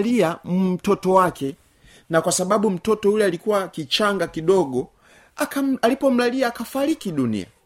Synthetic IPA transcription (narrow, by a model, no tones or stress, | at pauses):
liamum̩tɔtɔwakʰɛ | nakwasaɓaɓum̩tɔtɔulɛalikuwakit͡ʃaŋɡakiɗɔɡɔ | akaalipɔm̩laliaːkafaɾikiɗunḭa̰